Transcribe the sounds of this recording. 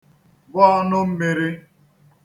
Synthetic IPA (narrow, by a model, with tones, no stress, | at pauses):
bɔ˦ɔ˦nʊ˦m̩˦me˨ɾi˦